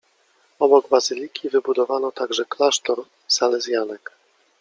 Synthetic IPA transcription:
ɔbɔɡbazɘlʲikʲʰivɘbud̪ɔvanɔt̪aɡʐɛklaʂt̪ɔɾ | salɛzʲjanɛk

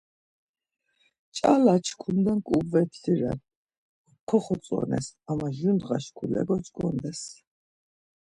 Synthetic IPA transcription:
t͡ʃʼalat͡ʃʰkʰund̪ankʼubvɛt̪ʰliɾɛ̰n | kʰɔχɔt͡s̪ʼɔ̰nɛ̰samaʒund̪ʁaʃkʰulɛ̰ɡɔt͡ʃʼkʼɔnd̪ɛs

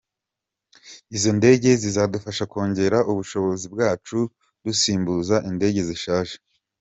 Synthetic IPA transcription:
izo̞nde̞ːɟe̞zizadufaʃako̞ːɲɟe̞ɾaʔuβuʃo̞βo̞zibɡaːt͡ʃu | dusiːmbuzaʔinde̞ːɟe̞ziʃaːʒe̥

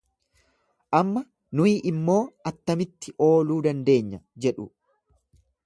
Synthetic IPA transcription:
ʔɐmːɐ | nʊiːʔɪmːo̞ːɐt̪ːɐmɪt̪ːɪʔo̞ːluːd̪ɐnd̪e̞ːɲːɐd͡ʒɛᶑʊ

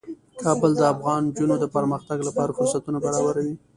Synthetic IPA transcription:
kʰɑbəld̪əafɣɑnd͡ʒunod̪əpəɾməxt̪aɡlapɑɾafʊɾsat̪unabaɾɑbaɾawi

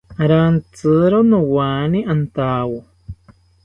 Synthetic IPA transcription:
ɾant͡sɨɾonũwanĩʔant̪aːwo

